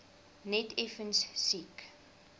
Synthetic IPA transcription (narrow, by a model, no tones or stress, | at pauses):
nɛtefənssik